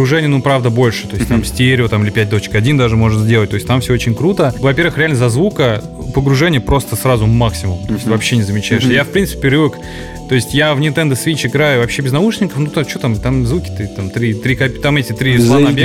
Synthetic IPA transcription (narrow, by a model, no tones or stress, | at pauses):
pɾʊʐɛnʲɪjənupɾavd̪əbo̞lʲʂɨ̥t̪o̞ɪsʲtʲt̪amsʲtʲeɾʲɪʊt̪amɨlʲɪpʲæt̚ʲd̪o̞t͡ɕɪ̥kɐdʲind̪aʐɨmo̞ʐɨt̪zʲdʲeət̚ʲt̪o̞ɪsʲt̪amfsʲoot͡ɕɪnʲkɾut̪əvɐpʲervɨxɾʲɪalʲnəzɐzvukə | pəɡɾʊʐɛnʲɪjəpɾo̞st̪əsɾazʊmːaksʲɪmʊmt̪o̞ɪsʲt̪ʲvɐpɕːenʲɪzəmʲɪt͡ɕæɪʂsʲjafpɾʲinsɨ̥pʲɪpʲɪɾʲɨvək | t̪o̞ɪsʲtʲjavnʲɪ̃nt̪ɛnd̪əsvʲit͡ɕɪɡɾajʊvɐpɕːebʲɪznauʂnʲɪnkəfnut̪at͡ɕot̪amt̪amzvukʲɪ̥t̪ɨt̪amt̪ɾʲit̪ɾʲikapʲt̪ametʲɪt̪ɾʲiplˠanɐbʲ